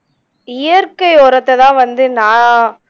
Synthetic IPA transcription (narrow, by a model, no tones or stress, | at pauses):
ɪjɐɾkɐɪɔːɾɐt̪ːɐt̪ãːʋɐnd̪ɯnãː